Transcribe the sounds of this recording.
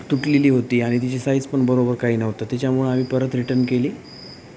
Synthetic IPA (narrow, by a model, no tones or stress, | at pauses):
t̪uʈliliːɦot̪iːaɽ̃it̪it͡ɕisaid͡zpəɳbəɾobəɾkaɦiːnəʋt̪ət̪jat͡ɕjamuɭam̤iːpəɾət̪ɾiʈəɾnkeliː